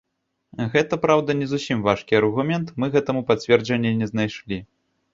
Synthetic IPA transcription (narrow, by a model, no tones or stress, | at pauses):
ɣɛt̪ɐpɾawd̪ɐnʲɛzusʲimvaʂkʲiɐrɣumʲɛnt̪mɨɣɛt̪ɐmupat͡sʲvʲɛrd͡ʒɐnʲːɛnʲɛznajʂlʲi